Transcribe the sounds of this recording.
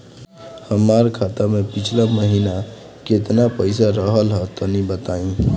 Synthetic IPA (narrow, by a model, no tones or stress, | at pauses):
həmaɾkʰat̪amepit͡ʃʰlaməɦina | ket̪napəjsaɾəɦəlɦət̪ənibət̪aĩ